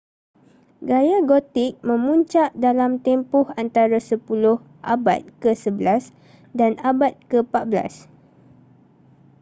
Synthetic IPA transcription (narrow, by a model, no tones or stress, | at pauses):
ɡajaɡot̪ɪk̚mə̃mũɲt͡ʃaʔdalamt̪ɛmpʊhant̪aɾasəpulʊh | ʔaba̰t̪̚kəsəbəlas | danabat̪̚kəpat̪̚bəla̰s